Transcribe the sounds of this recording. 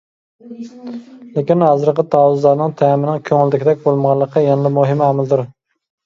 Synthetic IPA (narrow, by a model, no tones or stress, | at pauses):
lekʲinhɑːzɨɾqət̪ʰɑwʊzlˠɑɾnɨŋt̪ʰæmɪnɪŋkʲʰøŋɪld̪ɪkʲɪd̪ɛk̚ʲbolˠmʁɑlˠːəqʰːɑjɑnlɪmuɦɪmæmɪld̪ʊɾ